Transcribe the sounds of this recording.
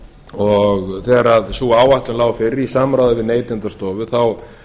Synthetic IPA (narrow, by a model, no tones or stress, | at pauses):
ɔɣθɛːɣaɾaðsuːaːwajht̪lʏnlaːwfɪɾːisaːmɾawðʏvɪðneːjt̪ɪnt̪ast̪ɔːvʏθaw